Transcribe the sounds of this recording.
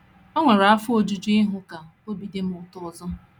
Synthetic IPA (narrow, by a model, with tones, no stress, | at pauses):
o˦ŋʷe˨ɾa˨a˦fʊ˦o˦d͡ʒu˦d͡ʒu˦ɪ˦ɦʊ˦ka˨o˦bi˨de˦m̩˦ʊ˨tʊ˦˨zɔ˦